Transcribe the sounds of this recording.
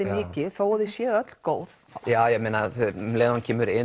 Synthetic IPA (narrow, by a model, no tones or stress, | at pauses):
ɪmɪːcɪθawɔðɪsjɛːðœt̪l̥koːwð̥ | jaːwjɛmeːnaθɛleːðɔncʰɛːmʏɾɪ